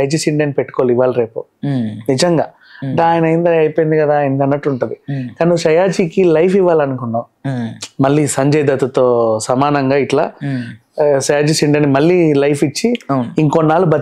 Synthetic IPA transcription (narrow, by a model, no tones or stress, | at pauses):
ɐjd͡ʒisiɳɖɐnpeʈːu̥koːliʋːaːliɾe̞ːpṵnid͡ʒɐŋɡaː | ɐɳʈɐaːjɐnɐjint̪ɐɐjpojind̪ikɐd̪aːjenkɐnːɐʈːuɳʈund̪ikaːniʃɐjaːd͡ʒiːkilɐjfiʋːaːlɐnukunːa | mɐɭːiːsɐɲd͡ʒɛjd̪ɐt̪ɐt̪oːsɐmaːnɐŋɡaːiʈla̰ː | sɐjaːd͡ʒisiɳɖɐnːimɐɭːiːlɐjfit͡ʃːiniŋkonːaːlubɐ